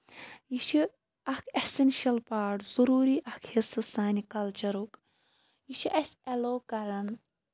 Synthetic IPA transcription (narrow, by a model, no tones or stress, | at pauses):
jiʃi | ɐkʰɐhsɐnʃɐlpaːʈzuɾuːɾiːʔɐkʰhisɨsaːnikɐlt͡ʃɐɾuk | jiʃʰiʔɐsʲɐloːkɐɾɐn